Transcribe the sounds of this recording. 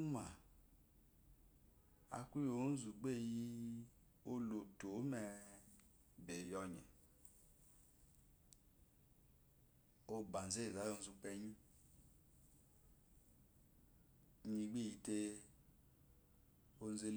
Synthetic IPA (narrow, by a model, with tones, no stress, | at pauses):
ma̰˨ | a̰˨ku˦jo˧˦zu˨ɡ͡be˦˨ji˦ | o˦lo˨to˨˦mɛ˧˨ | be˨jɔ˧ɲɛ̰˨ | o˧ba˨n̩˨ze˦˨za˨˦o˧˦zu˧k͡pɛ˧ɲĩ˦ | ɲi˧ɡ͡be˦˨i˧˦te˧ | o˧n̩˦ze˧l